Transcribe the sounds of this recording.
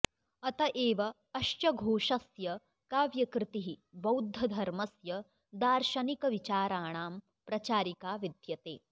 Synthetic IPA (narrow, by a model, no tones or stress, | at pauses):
ɐt̪ɐʔeːʋɐː | ʃt͡ʃɐɡʱoːʃɐsjɐ | kaːʋjɐkɾɪt̪iɦibɐwd̪ʱːɐd̪ʱɐɾmɐsjɐ | d̪aːɾʃɐnikɐʋit͡ʃaːɾaːɳaːm | pɾɐt͡ʃaːɾikaːʋid̪ʱjɐt̪ḛː